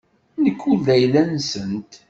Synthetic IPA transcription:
nəkːulæjlænsənt̪

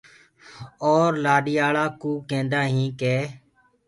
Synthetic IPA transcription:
oːɾlaːɗiːaːɭaːkuːkẽːnd̪aːɦĩːkeː

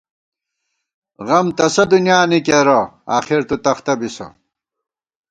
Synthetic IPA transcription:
ɣɐmt̪ɐsɐd̪unjaːnikeɾɐa̰ːxiɾt̪ut̪ɐχt̪ɐbisɐ̰

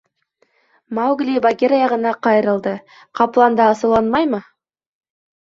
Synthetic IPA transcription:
mɑwɡlijbaɡʲeɾɑjɑʁənɑqʰɑjəɾəlˠd̪ə | qʰɑplˠɑnd̪ɑːsəlˠɑnmɑjmə

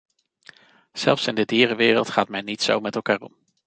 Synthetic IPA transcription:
z̥ɛlˠfsɪndədiːrəʋɪːrəlˠtχaːtmɛjnitso̰wmɛtɛlˠkaːrɔm

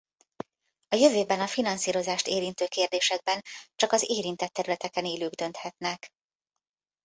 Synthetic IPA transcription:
ɒjø̞vøːbɛnɒfinɒnsiːɾo̞zaːʃt̪eːɾint̪øːkeːrd̪eːʃɛɡ̚bɛnt͡ʃɒkɒzeːɾint̪ɛt̪ːɛɾylɛt̪ɛkɛneːløːɡd̪ø̞nt̪hɛt̪nɛk

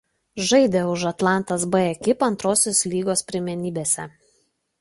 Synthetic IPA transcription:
ʒɐɪd̪ʲeʊʒɐt̪lˠɑˑnˑt̪ɐsbɐɛkʲɪpɐnt̪ɾoːsʲoːslʲiːɡoːspʲɾʲɪmʲɛnʲiːbʲeːsʲɛ

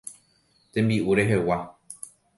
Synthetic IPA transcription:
t̪ẽmbiʔuɾe̞ɦe̞wa

